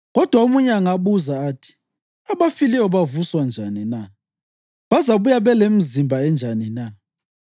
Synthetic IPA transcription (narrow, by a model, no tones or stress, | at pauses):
ɣɔd̥ʱwaumuɲɛaŋaɓuzaːtʰi̥ | aβafiliɔβavuswand͡ʒʱanina | βazaβujaβɛlem̩zimbʱaɛnd͡ʒʱanina